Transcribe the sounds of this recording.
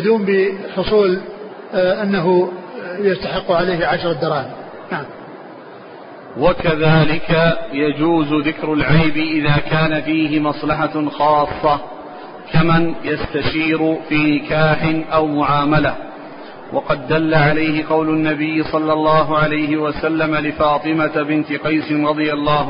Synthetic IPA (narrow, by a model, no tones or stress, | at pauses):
d̪uːmbɪħʊsˤuːl | ʔanːaɦʊjast̪aħɪqːʕalajhʕaʃɾˤɑd̪ɑɾˤɑːmɪ | naʕam | wakaðaːlɪkajad͡ʒuːzʊðɪkɾʊlʕajbɪʔɪðaːkaːnafiːɦɪmɑsˤlɑħaxɑːsˤːɑ | kamanjast̪aʃiːɾʊfiːnɪkaːħɪnʔawmʊʕaːmalah | wʔɑqɑd̪ːalːaʕalajhɪqɑwlʊnːabɪjːɪsˤɑlːɑlːɑːɦʊʕalajɦɪwasalːamalɪfɑːt̪ˤɨmabɪnt̪ɪqɑjsɪnɾˤɑd̪ˤɨjɑlˤːɑːhʊ